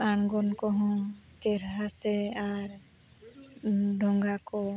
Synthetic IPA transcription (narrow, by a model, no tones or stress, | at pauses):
aɳ̃ɡɔnkɔɦɔ̃t͡ʃɛɾɦasɛaɾ | ɖʱɔŋɡakɔ